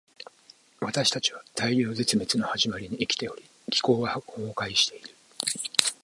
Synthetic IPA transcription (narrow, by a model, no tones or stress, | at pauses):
βat̪aɕi̥t̪at͡ɕiβat̪ʰaiɾʲo̞ːze̞t͡sɨme̞t͡sɨno̞haʑimaɾʲiɲ̟iːkʲi̥t̪e̞o̞ɾʲi | ɡʲi̥ko̞ːβahoːkaiɕi̥t̪e̞iɾɯ̟